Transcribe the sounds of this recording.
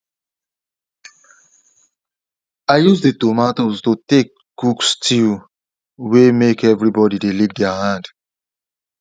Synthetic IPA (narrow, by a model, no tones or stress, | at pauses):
aɪjusditomatoztutek̚ | ɡ̥ukstʰil | wemekɛvɹibɔdidelikdɛahãnd